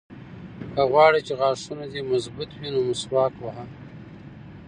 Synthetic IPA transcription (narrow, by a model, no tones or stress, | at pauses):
kaɣwɑːɽit͡ʃeɣɑːʂunad̪emazbʊt̪winomʊswɑːkwaɦa